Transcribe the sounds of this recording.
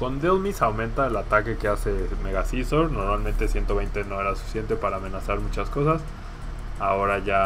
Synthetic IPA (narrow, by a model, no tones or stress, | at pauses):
ko̞nd̪elmisawmẽnt̪aelat̪ake̞ke̞ase̞me̞ɣasiso̞ɾno̞ɾmalmẽnt̪e̞sje̞nt̪o̞β̞ejnt̪e̞no̞e̞ɾasufi̥sje̞nt̪e̞paɾaːme̞nasaɾmut͡ʃasko̞sas | ao̞ɾaʝa